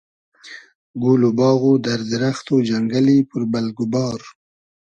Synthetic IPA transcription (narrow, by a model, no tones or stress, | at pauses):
ɡulobɑːɣod̪aɾd̪ɾaxt̪od͡ʒaŋɡalipəɾbalɡʊbɑːɾ